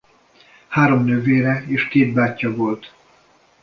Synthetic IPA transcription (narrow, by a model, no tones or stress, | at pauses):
haːɾo̞mnøːveːɾɛeːʃkeːd̪̚baːcːɒvo̞lt̪